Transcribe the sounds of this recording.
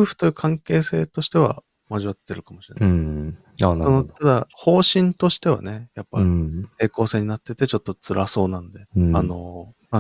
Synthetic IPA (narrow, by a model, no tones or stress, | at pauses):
ɯ̟ɸɯ̟̥t̪o̞jɯ̟ːkʰãŋke̞ːse̞ːt̪o̞ɕi̥t̪e̞βa̰ | maʑiβat̪ːe̞ɾɯ̟kamo̞ɕiɾena | aonot̪ad̪aho̞ːɕĩnt̪o̞ɕi̥t̪e̞βa̰ne̞japːate̞ːko̞ːse̞ːɲ̟inat̪ːe̞t̪e̞t͡ɕo̞t̪ːo̞t͡sɨɾaso̞ːnãno̞d̪e̞ano̞ma